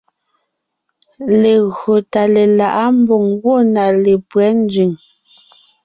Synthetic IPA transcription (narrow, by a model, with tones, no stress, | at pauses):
le˨ɣɰo˨ta˨le˨la˨ʔa˦m̩˦bɔ˨ŋɡwɔ˦˨na˨le˨pwɛ˨˦n̩˦d͡zɥi˨ŋ